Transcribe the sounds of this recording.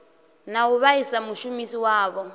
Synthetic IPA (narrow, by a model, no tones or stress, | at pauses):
nauβaisamuʃumisiwaːβɔ